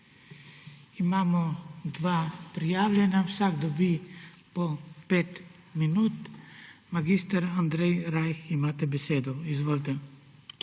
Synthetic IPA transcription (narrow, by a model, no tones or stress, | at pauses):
imaːmɔd̪ʋaːpɾijaːwlʲɛnawsaɡd̪ɔbi | pɔpeːt̪ | minuːt̪maɡist̪aɾand̪ɾɛjɾajximaːt̪ɛbɛseːd̪ɔizʋoːlʲt̪ɛ